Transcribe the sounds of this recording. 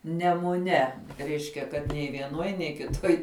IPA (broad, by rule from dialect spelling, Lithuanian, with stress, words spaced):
nʲɛmʊˈnʲɛ ˈrʲɛɪʃʲkʲɛ kɐt nʲɛɪ ʋʲiɛˈnuɔj nʲɛɪ kʲɪˈtuɔj